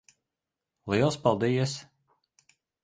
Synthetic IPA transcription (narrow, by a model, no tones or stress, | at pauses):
lˠiɛlˠspɑlˠd̪ijɛs